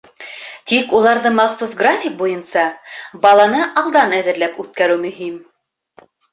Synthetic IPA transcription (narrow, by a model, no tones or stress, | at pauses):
t̪ikulˠɑɾðɤmɑχsusɡrafʲik̚bujɤnsɑbɑlˠɑnɤʔɑlˠd̪ɑnæðɘ̆ɾlæpʉt̪̚kæɾɘwmɵ̆ɦim